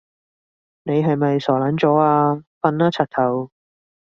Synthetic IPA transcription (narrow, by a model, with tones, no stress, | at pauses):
ne˨˧jɦɐ˨jmɐ˨jsɔː˨˩lɐː˨˥nt͡ʃɔː˨˥aː˧fɐ˨˧naː˧˥t͡sʰa˨t̚t̪ʰɐ˨˩w